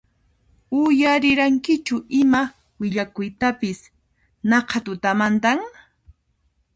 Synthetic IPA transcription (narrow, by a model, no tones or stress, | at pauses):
ʊjaɾɪɾaŋkɪt͡ʃʊʔɪma | wɪʎakʊjt̪apɪs | nɑqʰɑt̪ʊt̪amant̪aŋ